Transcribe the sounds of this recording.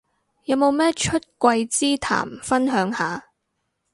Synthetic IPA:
jɐ˨˧wmo˨wmɛː˥t͡ʃʰɵ˥t̚kʷɐ˧jt͡siː˥t̪ʰa̰ː˨˩mfɐ˥nɦœː˨˧ŋhaː˨˧

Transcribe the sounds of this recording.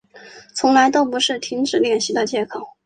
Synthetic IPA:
t͡sʰʊ˧˥ŋla˧˥ɪt̪o˥ʊpu˧˥ʂɻ̩˥˩t̪ʰi˧˥ŋʈ͡ʂɻ̩˨˩ljɛ˥˩nɕi˧˥d̪ə˧t͡ɕjɛ˧˥kʰɑ˨˩˦ʊ

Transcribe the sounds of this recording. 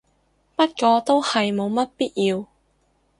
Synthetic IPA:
pɐ˥t̚kɔː˧t̪o˥whɐ˨jmo˨˧wmɐ˥t̚piː˥t̚jiː˧w

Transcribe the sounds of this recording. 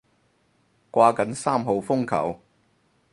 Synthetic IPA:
kʷaː˧kɐ˨˥nsaː˥mɦo˨˧wfʊ˥ŋkʰɐ̰˨˩w

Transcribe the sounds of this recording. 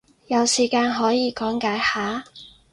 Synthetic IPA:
jɐ˨˧wsiː˨˩kaː˧nɦɔː˨˥jiː˨˧kɔː˨˥ŋkaː˨˥jhaː˨˥

